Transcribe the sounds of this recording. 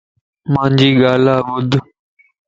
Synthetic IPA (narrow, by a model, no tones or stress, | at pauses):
mãːɲd͡ʒiːɠaːlaːʋʊd̪ʱ